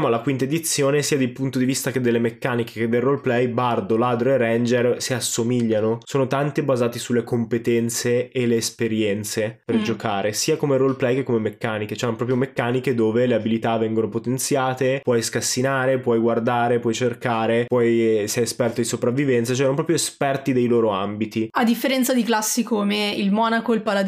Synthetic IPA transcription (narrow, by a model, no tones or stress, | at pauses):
amoalːakwint̪aed̪it̪sːjoːnesiːad̪elpunt̪od̪ivist̪ak̟ed̪ːelːemekːaːnike̥k̟ed̪ːelrolplɛjbard̪olaːd̪ɾoerːɛnd͡ʒersiasːomiʎːanosoːnot̪ant̪ibazaːt̪isulːekompet̪ɛnt̪seːlːeːspeɾjɛnt̪seperd͡ʒokʰaːɾesiːakomeɾolplɛjkekːomemekːaːnike̥t͡ʃoɛnpɾɔpɾjomekːaːniked̪oːveleabilit̪avɛŋɡonopot̪ent̪sjaːt̪epwɔjskasːinaːɾepwɔjɡward̪aːɾepwɔjt͡ʃerkaːɾepwɔjsɛjespɛrt̪od̪isopɾavːivɛnt̪sat͡ʃoɛnpɾɔːpɾjoespɛrt̪id̪ejloːɾoambit̪iad̪ːifːeɾɛnt̪sad̪iklasːikoːmeilmɔːnakoilpalad̪